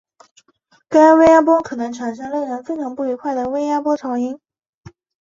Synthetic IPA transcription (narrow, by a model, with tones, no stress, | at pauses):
ka˥nwe˥ɪja˥p̬wɔ˥kʰɤ˨˩nɤ˧˥ŋʈ͡ʂʰa˨˩nʂ̬ɤ˥ŋlə˥˩ŋɻə˧˥nfe˥ɪʈ͡ʂʰɑ˧˥ŋpu˥˩i˧˥kʰwa˥˩ɪd̪ə˩we˥ɪja˥pwɔ˥ʈ͡ʂʰɑ˧˥ʊi˥n